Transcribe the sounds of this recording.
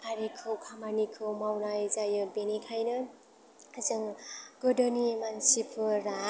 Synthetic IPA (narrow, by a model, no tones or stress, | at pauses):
aɾikʰɯwkʰamanikʰɯwmawnajzajɯbenikʰajnɯ | azɯŋɡɯdɯnimansipʰɯɾa